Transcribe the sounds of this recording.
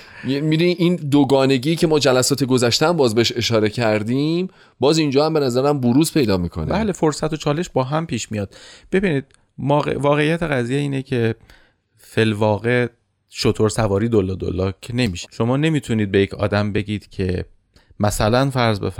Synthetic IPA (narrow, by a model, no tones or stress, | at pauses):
mid̪uniʔind̪oɡɒːne̞ɟiːcʰe̞mɒːd͡ʒælæsɒːt̪ʰeɡozæʃt̪ææmbɒːzbeeʃe̞ʃɒːɾe̞cʰæɾd̪iːm | bɒːzind͡ʒɒːhæmbenæzæɾæmbuɾuːzpʰe̞jd̪ɒːmiːkʰo̰n̰bæːle̞foɾsæt̪ʰo̞t͡ʃʰɒːle̞ʃbɒːɦæmpʰiːʃmijɒːd̪̥b̥e̞biːniːd̪̥̚ | mɒːɣḛvɒːɣe̞jːæt̪ʰe̞ɣæziːjeiːnecʰe̞ | felvɒːɣe | ʃot̪ʰo̞ɾsævɒːɾiːd̪olːɒːd̪o̰lːɒːcʰene̞miːʃi̥ʃo̞mɒːne̞miːt̪ʰuniːd̪̚be̞jecʰɒ̰ːd̪æmbe̞ɟiːd̪̥cʰe̞ | mæsælænfæɾzbḛf